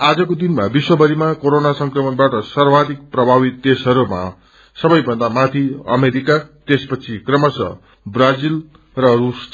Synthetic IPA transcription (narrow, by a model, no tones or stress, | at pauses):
ad͡zʌkod̪inmabiswʌbʌɾimakoɾonasʌŋkrʌmʌnbaʈʌsʌrbad̪ik̚prʌbʱabit̪desʌɾuma̰ | sʌbʌjbʱʌnd̪amat̪ʰiʌ̰meɾikat̪espʌt͡sʰikrʌmʌsʌ̰ | brad͡zil | rʌrus